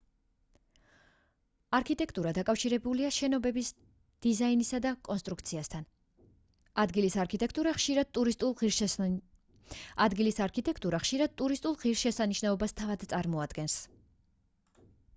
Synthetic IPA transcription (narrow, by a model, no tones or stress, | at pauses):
aɾkʰit̪ʼɛkʰt̪ʼuɾad̪akʼafʃiɾɛbuliaʃɛnɔbɛbis | d̪̥izainisad̪akʼɔnst̪ʼɾuk̚ʰt̪sʰiast̪ʰan | ad̪ɡilisaɾkʰit̪ʼɛk̚ʰt̪ʼuɾaχʃiɾad̪̥̚t̪ʼuɾist̪ʼulˠi | ad̪ɡilisaɾkʰit̪ʼɛkʰt̪ʼuɾaχʃiɾad̪̥̚t̪ʼuɾist̪ʼulˠʁiɾʃɛsaniʃnaɔbast̪ʰavad̪t̪sʼaɾmɔad̪̥ɡɛns